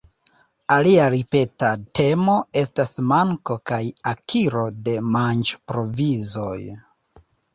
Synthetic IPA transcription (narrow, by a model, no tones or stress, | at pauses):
aliaɾipe̞tatʰe̞mo̞e̞stasmaŋko̞kajakʰiɾo̞de̞mant͡ʃpɾo̞vizo̞j